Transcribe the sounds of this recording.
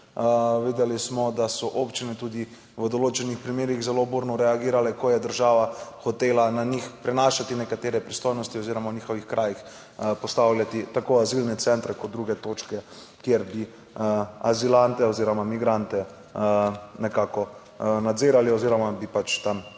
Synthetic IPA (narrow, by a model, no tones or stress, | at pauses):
əʋeːd̪ɛlismɔd̪asɔʔopt͡ʃinɛt̪uːd̪i | ʋəd̪oloːt͡ʃɛnixpɾimeːɾiɣzɛlobuːɾnɔɾɛaɡiːɾalɛkɔjɛd̪əɾʒaːʋaxɔt̪eːlananixpɾɛnaːʃat̪inɛkat̪eːɾɛpɾist̪oːjnɔst̪ioziːɾɔmawniːxɔʋixkɾʔaːjix | pɔst̪awljat̪it̪akoazilnɛt̪sɛnt̪ɾɛkɔt̪d̪̚d̪ɾuɡɛt̪oːt͡ʃkɛ | kjeɾbi | azilant̪ɛɔziːɾɔmamiɡɾant̪ɛ | nɛkakɔ | nad̪ziːɾaliɔziːɾɔmabipat͡ʃt̪am